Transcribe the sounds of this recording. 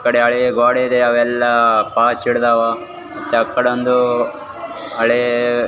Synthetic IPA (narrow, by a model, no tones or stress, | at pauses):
kɐɽeɐɭeɡeɡaːɽeid̪eɐʋɛlːɐpaːt͡ʃiɽd̪aːʋaː | mɐt̪ːeɐkːɐɽeond̪u | ɐɭe